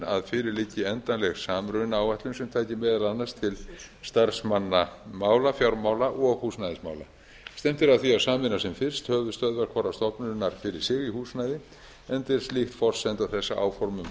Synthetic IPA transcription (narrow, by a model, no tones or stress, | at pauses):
a̰ðfɪːɾɪɾlɪcːɪɛnt̪anlɛɣsaːmɾʏnawvɛht̪lʏnsɛmt̪ʰaːjcɪmɛːðalanːast̪ʰɪlst̪aɾsmanːamaːwlafjawɾmaːwlaʔɔɣhuːsnajðɪsma̰ːwla̰ | st̪ɛm̥t̪ɪɾaðθiasaːmɪnːasɛmfɪr̥st̪hœːvʏst̪œðvaɾ̥kʰvaɾast̪ɔpnʏnaɾ̥fɪɾɪɾ̥sɪɣihuːsnajðɪ | ɛnt̪ɛɾ̥st̪lixt̪fɔr̥sɛnt̪awθɛsːa̰ʔa̰ːwfɔɾmʏm